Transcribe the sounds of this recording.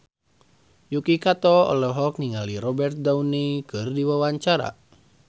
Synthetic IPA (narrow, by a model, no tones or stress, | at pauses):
jukikat̪ɔɔ̰lɔɦɔk̚niŋaliɾɔbɛrt̪̚daunikɨrdiwawaɲt͡ʃaɾa̰